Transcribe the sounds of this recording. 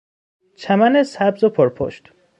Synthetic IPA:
t͡ʃʰæmænesæbzopʰoɾpʰo̰ʃt̪

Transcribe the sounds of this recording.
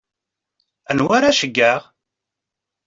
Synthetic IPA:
ənwaɾaʃəɡːæʁ

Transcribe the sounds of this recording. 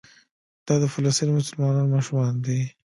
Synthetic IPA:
d̪̥ɑd̪əfɪlast̪inmʊsʊlmɑnɑnmɑʃumɑnd̪i

